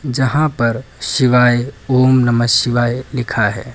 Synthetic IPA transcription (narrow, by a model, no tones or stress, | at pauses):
d͡ʒəɦãpəɾʃiʋajomnəməsiʋajlɪkʰaɦɛ̰ː